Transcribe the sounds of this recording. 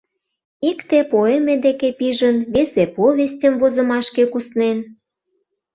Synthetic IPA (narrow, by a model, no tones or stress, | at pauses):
ikt̪epoemed̪ekepiʒənβesepoβʲestʲə̆mvozə̆mɑʃkekusnen